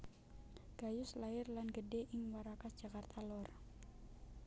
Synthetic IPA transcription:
ɡ̥ajʊslaɪrlanɡədɛʔɪŋwaɾakad͡ʒ̥akart̪ʰalɔr

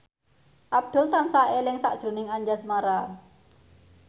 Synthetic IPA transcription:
ʔab̚d̪̥ʊ̤lt̪ansaʔelɪŋsaʔʒ̥ɾṳnɪŋaɲd͡ʒasmaɾa

